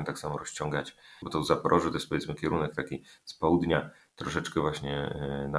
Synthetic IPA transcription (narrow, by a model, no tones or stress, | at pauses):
ɛt̪aksamɔɾɔɕt͡ɕɔŋɡat͡ɕbɔt̪ɔzapɾʔɔʂɨt̪ɔjɛs̚pɔvʲjɛt̪smɘkʲɛɾunɛk̚t̪akʲispɔwud̪ɲa | t̪ɾɔʂɛt͡ʂkɛvwaɕɲɛna